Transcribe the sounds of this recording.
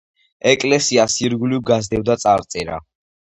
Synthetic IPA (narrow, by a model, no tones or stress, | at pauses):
ɛkʼlɛsiasiɾɡulivɡazd̪ɛvd̪at̪sʼaɾt̪sʼɛɾa̰